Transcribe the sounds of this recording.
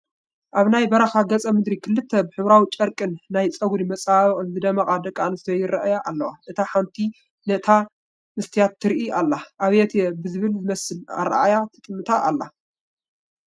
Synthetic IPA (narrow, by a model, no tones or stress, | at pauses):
ʔaβnajbɐɾɐxaɡɐt͡sʼɐmɨd̪ɾikʰɨlːɨt̪ʰːɐbɨħɨβɾawit͡ʃʼɐɾkʼɨnːajt͡sʼɐɡɾimɐt͡sʼaβʼɨnzɨd̪ɐmɐkʼad̪ɐkʼːanɨst̪ɛjɪɾɐʔjaʔalːɐwaʔɨt̪ʰaħant̪ʰi | nɐt̪ʰa | mɨst̪ʰijat̪ʰːɨɾʔialːaʔaβɛt̪ʰjɛbɨzɨβɨlzɨmɐsɨla̰ɾaa̰jat̪ʰɨt̪ʼɨmːɨt̪ʰaʔalːa̰